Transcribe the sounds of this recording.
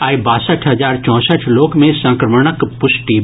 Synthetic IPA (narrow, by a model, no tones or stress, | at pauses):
aːibaːsəʈʰɦɐzaːɾt͡ʃɔ̃ːsəʈʰloːkmẽsɐ̃ŋkɾəməɽəkpʊsʈi